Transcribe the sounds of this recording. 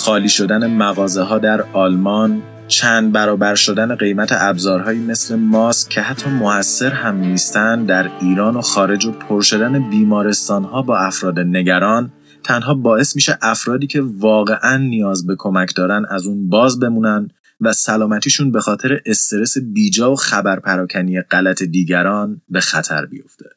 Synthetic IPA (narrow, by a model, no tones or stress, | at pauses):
xɒːliːʃo̞d̪æne̞mæɣɒːzeɦɒːd̪æɾɒːlmɒːn | t͡ʃʰæːnd̪̚bæɾɒːbæɾʃo̞d̪æne̞ɢe̞jmæt̪ʰe̞̰ʔæbzɒːɾɦɒːjiːme̞sle̞mɒːscʰe̞hæt̪ʰːɒːmo̞hæsːe̞ɾhæmnist̪ænd̪æɾiːɾɒːno̞xɒːɾe̞d͡ʒo̞pʰoɾʃo̞d̪æne̞biːmɒːɾe̞st̪ɒːnhɒːbɒːæfɾɒːd̪ene̞ɟæɾɒːn | t̪ʰænɦɒːbɒːe̞smiːʃeʔæfɾɒːd̪iːcʰe̞vɒːɣe̞ʔænːijɒːzbe̞kʰo̞mæcʰd̪ɒːɾænæzuːnbɒːzbe̞muːnænd̪ | væsælɒːmæt̪ʰiːʃunbe̞xɒːt̪ʰe̞ɾeʔest̪e̞ɾe̞se̞biːd͡ʒɒːvoxæbæɾpʰæɾɒːcʰænijeɢælæt̪ʰe̞d̪iːɟæɾɒːnbe̞xæt̪ʰæ̰ɾbḭjo̞̰ft̪ʰe̞